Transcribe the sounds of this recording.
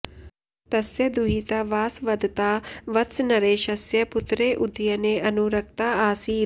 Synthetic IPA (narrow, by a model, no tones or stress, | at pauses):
t̪ɐsjɐd̪uɦit̪ɐʋaːsʋɐd̪ʱt̪aːʋɐt̪snɐɾeːʃɐsjɐput̪ɾeːʔud̪jɐneːʔɐnuɾɐk̚t̪aːaːsiː